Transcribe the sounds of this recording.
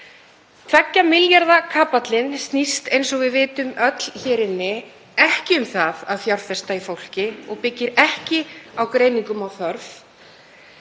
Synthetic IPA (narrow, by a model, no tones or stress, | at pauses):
fʰfɛcːamɪljaɾðakʰaːpat̪lɪnst̪nist̪ejns̬ɔɣvɪðvɪːt̪ʏmœt̪l̥çɛːɾɪnːɪ | ɛhcɪʏmθaðaðθjawɾfɛst̪aifowl̥cɪɔɣpɪcːɪɾɛhcɪawkɾeːjniŋkʏmawθœɾf